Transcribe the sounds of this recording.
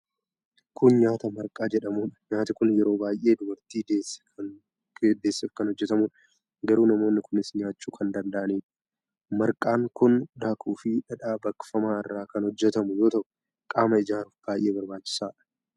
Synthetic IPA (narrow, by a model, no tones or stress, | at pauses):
kʰʊnɲaːt̪ɐmɐɾkʼaːd͡ʒɛᶑɐmuːᶑɐ̥ɲaːt̪ɪkʊnjɛɾo̞ːbaːjʔe̞ːd̪ʊbɐɾt̪iːd̪e | d̪eːsːɪfkɐnhɔd͡ʒːɛt̪ɐmuᶑ | ɡɐɾuːnɐmo̞ːnːɪkʊnɪsɲaːt͡ʃːuːkʰɐnd̪ɐnd̪ɐʔɐneːᶑ | mɐɾkʼaːŋkʊnd̪aːkʰuːfɪᶑɐᶑaːbɐkːfɐmaːɪrːaːkɐnhɔd͡ʒːɛt̪ɐmʊjo̞ːt̪ɐʔʊ̥ | kʼaːmɐɪd͡ʒaːɾʊfb̥aːjʔe̞ːbɐɾbaːt͡ʃːɪ̥saːᶑɐ̥